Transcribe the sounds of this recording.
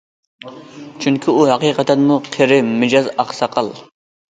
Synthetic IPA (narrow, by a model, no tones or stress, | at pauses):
t͡ʃʰyŋkʲʰiuhɑqiːqʰɑt̪ɛnmuqʰeɾɪmɪd͡ʒɑzɑχsɑqʰəlˠ